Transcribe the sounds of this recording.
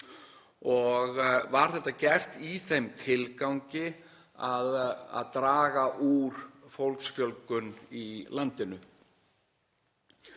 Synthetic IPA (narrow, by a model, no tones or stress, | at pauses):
ɔɣvaɾ̥θɛht̪acɛr̥t̪iθejmt̪ʰɪlkawŋcɪ | aða̰ðt̪ɾaːɣaʔuɾ̥fowlksfjœlkʏnilant̪ɪnʏ